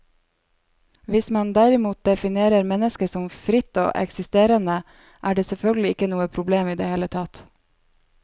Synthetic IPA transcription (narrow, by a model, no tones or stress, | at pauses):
ʋɪsmɑnd̪æɾɪmuːt̪̚d̪ɛfɪneːɾəɾmɛnəskəsɔmfɾɪt̪ːo̰ːʔɛ̰ksɪst̪eːɾənə | ʔæːɖeːsɛlfœlɡəlɪɪkːənuːəpʰɾʊbleːmiːd̪eːheːlət̪ʰɑt̪